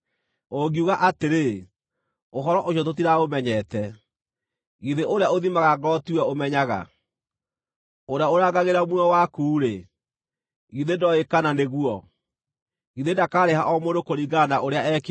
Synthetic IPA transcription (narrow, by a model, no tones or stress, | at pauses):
oɡiuɣaʔateɾe | oɦɔɾɔʔoɕ̬ot̬ot̬iɾaomɛɲɛtɛ | iðeʔoɾeaoðimaɣaɡɔtiwɛomɛɲaɣa̰ | oɾeaoɾaːɡaɣeɾamwɔwakuːɾe | iðedɔekananeɣwɔ | iðendakaːɾehaʔɔmondokoɾiɡanaʔoɾeaɛk